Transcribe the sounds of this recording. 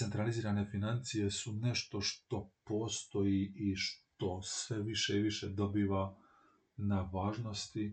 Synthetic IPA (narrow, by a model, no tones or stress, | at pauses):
se̞nt̪ɾaliziːɾane̞finant̪sije̞sune̞ʃt̪o̞ʃt̪o̞po̞ːst̪o̞jiiʃt̪o̞sʋe̞ʋiʃeiʋiʃe̞d̪o̞biːʋa | naʋaːʒno̞st̪i